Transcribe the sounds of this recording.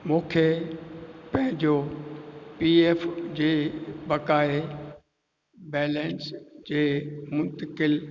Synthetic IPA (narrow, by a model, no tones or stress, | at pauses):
mũːkʰe | pɐ̃ɦɪ̃d͡ʑo | pieːfd͡ʑeːbɐkaːe | bɛːlɛ̃nsd͡ʑeːmʊ̃nt̪əkɪl